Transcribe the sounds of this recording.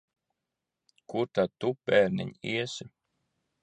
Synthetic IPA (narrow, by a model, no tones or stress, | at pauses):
kuɾt̪ad̪̚t̪upɛːɾnḭɲiɛsi